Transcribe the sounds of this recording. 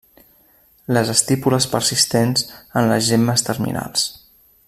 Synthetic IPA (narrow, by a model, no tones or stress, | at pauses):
ləzəst̪ipuləspəɾsist̪enzənləzʒemːəst̪ərmḭnʔa̰lˠs